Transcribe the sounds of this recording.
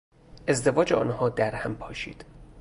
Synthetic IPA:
ʔe̞zd̪e̞vɒːd͡ʒeɒ̰ːnhɒːd̪æɾhæmpʰɒːʃḭːd̪̥

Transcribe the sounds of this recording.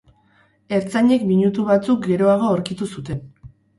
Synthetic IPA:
e̞ɾt͡saɲe̞kmiɲut̪uβat͡suk̚ɡe̞ɾo̞aɣ̞o̞oɾkit̪usut̪e̞n

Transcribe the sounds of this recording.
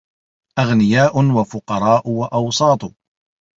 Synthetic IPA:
ʔaɣnɪjaːʔʊwafʊqɑɾˤɑːʔʊwaʔɑwsˤɑːt̪ˤʊ

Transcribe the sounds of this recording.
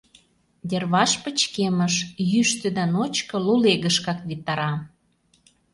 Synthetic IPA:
d̪ʲerβɑʃpə̆t͡ɕkeməʃjyʃt̪ĕd̪ɑnot͡ɕkɤ̆luleɣə̆ʃkɑkβit̪ːɑɾɑ

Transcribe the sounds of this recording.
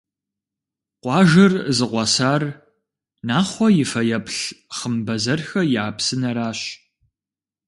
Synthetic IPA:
qʷɑːʒɐrzɨqʷɑsaːr | naːχʷɔjɪfɐjɐpɬχəmbɐzɐrxɐjɪaːpsɨnɐɾaːɕ

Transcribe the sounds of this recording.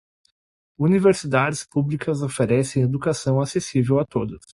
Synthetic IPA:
univeɾsid̪ad͡ʒɪspublikɐzofeɾɛsẽj̃ed̪ukasɐ̃w̃asesivewat̪od̪ʊs

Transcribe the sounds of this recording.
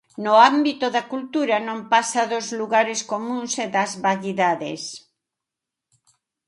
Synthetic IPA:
noambit̪oðakult̪uɾanõmpasaðozluɣaɾeskomũnseðazβaʎiðaðes

